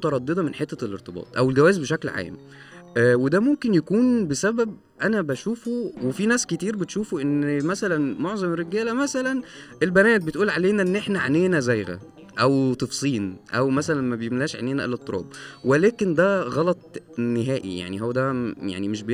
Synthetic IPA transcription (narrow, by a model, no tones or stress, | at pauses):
t̪ɑɾˤɑd̪ːed̪ˤɑmenħet̪ːæleɾt̪ˤebɑ̰ːt̪ˤʔæwelɡæwæːzbeʃæklʕa̰ːm | ʔwed̪æmomkenjækuːnbesæbæb̚ | ʔænæbæʃuːfowefinæːsket̪iːɾbet̪ʃuːfoʔenːmæsælænmoʕzˤɑmɾːeɡæːlæmæsælænʔelbænæːt̪̚bet̪ʔuːlʕaleːnæʔenːʔeħnæʕeneːnæzæjɣæ̰ | ʔæwt̪ˤefsˤiːnʔæwmæsælænmæbejemlæːʃʕḛneːnæʔḛlet̪ˤːoɾˤɑ̰ːbwelæːkend̪æɣɑlɑt̪̚ˤneɦæːʔḭja̰ʕniɦowːæd̪æja̰ʕnimeʃbe